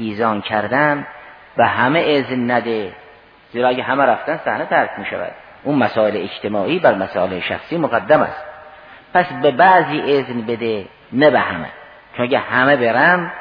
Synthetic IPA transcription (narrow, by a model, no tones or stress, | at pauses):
iːzɒːnkʰæɾd̪æm | behæmeʔeznːæd̪e | z̥iːɾɒːæɡʲæɦæmæɾæft̪ænsæhnet̪ʰæɾkʰmiːʃæ̰væ̰d̪̥̚ | ʔuːnmæsɒːeleet͡ʃt̪ʰemɒːʔiːbæɾmæsɒːleeʃæ̰xsiːmoɣæd̪ːæmæ̰st̪̚ | pʰæsbebæʔziːʔeznbed̪e | næbehæ̰mḛ | t͡ʃʰonæɡæhæmebeɾæm